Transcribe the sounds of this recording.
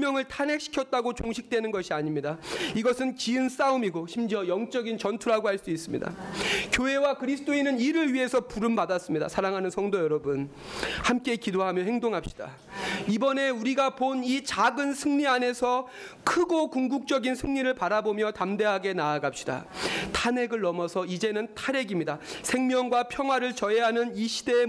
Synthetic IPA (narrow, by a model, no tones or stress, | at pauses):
mjʌŋɯɭtʰane̞kɕʰi̥kʰjʌt̚t͈aɡot͡ɕoŋɕʰik̚t͈we̞nɯnɡʌɕʰiaɲimɲidaiɡʌsʰɯnt͡ɕiɯns͈aumiɡoɕʰimd͡ʑiʌjʌŋt͡ɕ͈ʌɡint͡ɕʌntʰuɾɦaɡohaɭs͈uis͈ɯmɲḭda̰kjoɦe̞wakɯɾisʰɯ̥t͈oinɯniɾɯɭɥiɦe̞sʰʌpuɾɯmbadas͈ɯmɲida̰sʰaɾaŋɦanɯnsʰʌŋdojʌɾʌbɯn | hamk͈e̞kidoɦamjʌhe̞ŋdoŋɦap̚ɕ͈i̥d̥a̰ | ibʌne̞uɾiɡaponit͡ɕaɡɯnsʰɯŋɲiane̞sʰʌkʰɯɡokuŋɡuk̚t͡ɕ͈ʌɡinsʰɯŋɲiɾɯɭpaɾabomjʌtamde̞ɦaɡe̞naːɡap̚ɕ͈i̥da̰tʰane̞ɡɯɭnʌmʌsʰʌid͡ʑe̞nɯntʰaɾe̞ɡimɲidasʰe̞ŋmjʌŋɡwapʰjʌŋɦwaɾɯɭt͡ɕʌɦeɦanɯniɕʰide̞